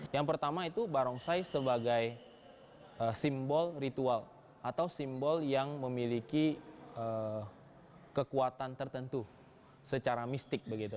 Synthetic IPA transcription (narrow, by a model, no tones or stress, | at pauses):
jaŋpərt̪amait̪ubaɾɔŋsajsəbaɡaj | əsimbɔlrit̪ual | at̪awsimbɔljaŋməmilikiə | kəkuat̪ant̪ərt̪ənt̪u | sət͡ʃaɾamist̪ɪk̚bəɡit̪u